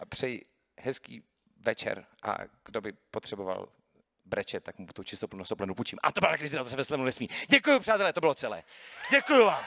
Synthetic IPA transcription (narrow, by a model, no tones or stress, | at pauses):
apr̥ɛj | ɦɛskḭː | vɛt͡ʃɛ̰ɾʔa̰ɡ̥dobɪpot̪r̝̥ɛbova̰l | bɾɛt͡ʃɛt̪ːakmut̪ut͡ʃɪst̪oplnunasoplɛnuput͡ʃimʔa̰t̪obɪlat̪akɾɪzɪt̪at̪osɛvɛslɛmnunɛsmiːɟɛkujupr̥aːt̪ɛlɛːt̪obɪlot͡sɛlɛ̰ːɟɛkujuvaːm